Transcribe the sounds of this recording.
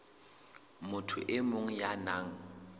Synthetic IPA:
mʊtʰʊʔɪmʊŋ̩janaːŋ̩

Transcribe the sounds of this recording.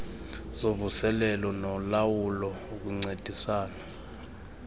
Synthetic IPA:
z̥ovusɛlɛlɔnɔlawulɔok̬ʼuŋ͡ǀed̥ʱisaːna

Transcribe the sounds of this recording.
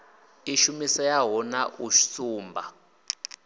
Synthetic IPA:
iʃumisɔjaɦɔnaʔuʃi̥suːmbʱa̰

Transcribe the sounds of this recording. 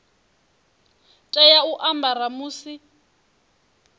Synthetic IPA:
tʼɛjauʔambaɾamuːsi

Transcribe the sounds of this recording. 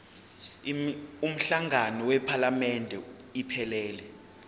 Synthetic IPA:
um̩ɬaŋʱanɔwɛpʰalamɛndʱɛipʰɛlɛːlɛ

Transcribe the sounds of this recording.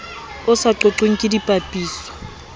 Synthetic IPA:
ʊsaǃoǁeŋ̩kʼɪdipʼapʼiːsɔ̥

